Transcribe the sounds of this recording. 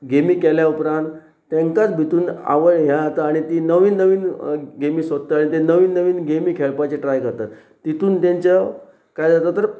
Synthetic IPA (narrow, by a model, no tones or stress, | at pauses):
ɡemiːkɛljaupɾãnt̪ː | ẽŋkat͡sbʱit̪uːna̰ʋəɭɦjat̪aːɽ̃it̪iːnəʋiːnːəʋiːnɡemiːsʋəd̪t̪aaɽ̃it̪enəʋiːnːəʋiːnɡemiːkʰɛɭpat͡ɕeʈɾajkəɾt̪at̪ | t̪ːit̪uːnt̪ãɲt͡ɕa | kajd͡zat̪at̪ːəɾ